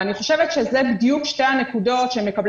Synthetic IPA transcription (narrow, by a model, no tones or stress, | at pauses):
aniχo̞ʃevet̪ʃezebidjukʃteanekudo̞t̪ʃemːe̞kabl